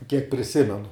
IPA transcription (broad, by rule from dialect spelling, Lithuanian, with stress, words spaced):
kʲiɛk pʲrʲɪˈsʲɪmʲɛnʊ